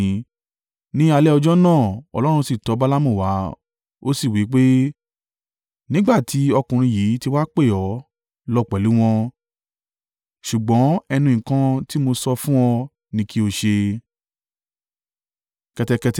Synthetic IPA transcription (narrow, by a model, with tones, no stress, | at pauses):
nĩ˦a˧lɛ˦ɔ˧d͡ʒɔ˦nãː˦˨ɔ̰˧lɔ˦ɾ̃ũ˧si˦˨tɔ˨˦ba˦la˦mũ˦˨wa˨˦ | o˦si˦˨wi˨˦k͡pe˦ | nĩ˦ɡ͡ba˦˨tʰi˨˦ɔ˧kũ˨ɾ̃ĩ˧jiː˨˦ti˧wa˦k͡pe˦˨ɔ˨˦ | lɔ˧˨k͡pɛ˨lu˨˦w̃ɔ̃˧ | ʃu˨ɡ͡bɔ̃˨˦ɛ˧nũ˧ĩ˨kã˧ti˦mo˧sɔ˧fũ˦ɔ̃˧ | nĩ˧ki˦o˧ʃe˧ | kɛ˧tɛ˧kɛ˧t